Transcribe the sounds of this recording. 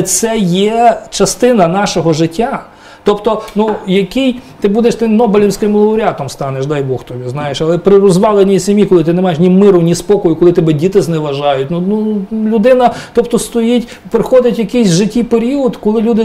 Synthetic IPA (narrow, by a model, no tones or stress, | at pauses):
t̪sɛjɛt͡ʃɐst̪ɪnɐnɑʃɔɦɔʒɪtʲːa | t̪ɔpt̪ɔnujɐkijt̪ɪbud̪eʃt̪ɪmnɔbɪlʲɪmsʲkɪmlˠɐʊɾʲɑt̪ɔmst̪ɑneʃd̪ɑjbɔxt̪ɔbʲiznɑjeʃɐlˠɛpɾɪrɔzʋɑlˠenʲisʲemʲjikɔlˠɪt̪ɪnemɑjeʃnʲimɪɾʊnʲispɔkɔjʊkɔlˠɪt̪ɔbɛdʲit̪ɪznɛʋɐʒɑjʊtʲnunulʲʊd̪ɪnɐt̪ɔpt̪ɔst̪ɔjitʲ | pɾɪxɔdʲɐtʲjɐkɪjsʲʒɪtʲːijpeɾʲiɔd̪kɔlˠɪlʲud̪ɪ